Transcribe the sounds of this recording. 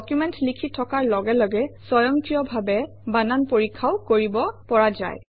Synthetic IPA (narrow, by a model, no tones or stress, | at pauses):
dɔkjumɛntlikʰitʰɔkaɹlɔɡɛlɔɡɛsɔjɔŋkɹijɔbʱabɛ | bananpoɹikʰːawkoɹibɔpɔɹaza̰j